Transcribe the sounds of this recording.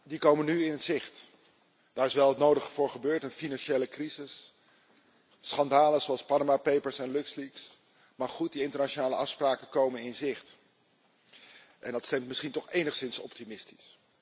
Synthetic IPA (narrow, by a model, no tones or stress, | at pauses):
dikowmənyɪnɦətz̥ɪχt | d̥aːɹɪsʋɛlˠətnowdəχəvʊːɹχəbøːɹtənfinɑnʃejləkrizɪs | χɑndaːləzoɑlˠspɑnəmapejpəɹsɛnlɵksliks | maχχut̚diɪntəɹnat͡ʃonaːləɑfspraːkənkowmənɪnzɪχt | ʔɛndɑtstɛmtmɪsχintɔχejnəχsɪnsɔ̰p̚timɪsti̥s